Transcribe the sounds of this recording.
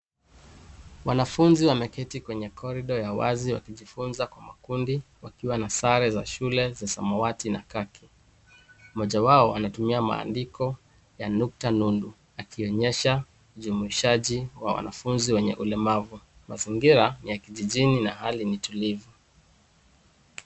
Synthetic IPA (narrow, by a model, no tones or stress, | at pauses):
wanafunziwamɛkɛtikwɛɲɛkʰɔɾiɗɔjawa̰ziwa̰kiʄifunzakwamakundiwakiwanasaɾɛza̰ʃulɛzasa̰mɔwatinakakʰi̥ | mɔʄawaɔanatumiama̰ːndikɔ | januk̚tanundu | akiɔɲɛʃa | uʄumuiʃaʄiwa̰wa̰na̰funziwɛɲɛ̰ʔulɛmavu | maziŋɡiɾanijakiʄiʄininahalinitulivu